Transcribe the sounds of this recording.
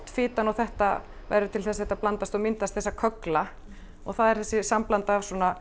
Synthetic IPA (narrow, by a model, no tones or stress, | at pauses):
t̪fɪːt̪anɔɣθɛht̪a̰ | va̰jɾʏt̪ʰɪlθɛs̬ːɛt̪aplant̪ast̪ɔɣmɪnt̪ast̪θɛsːakʰœkla | ɔɣθaðɛɾθɛsːɪsamplant̪aːvswɔːna